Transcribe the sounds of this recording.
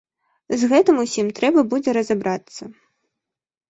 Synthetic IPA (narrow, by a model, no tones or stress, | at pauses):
zɣɛt̪ɨmusʲimt̪ɾɛbɐbud͡zʲɛɾɐzabɾat̪sːɐ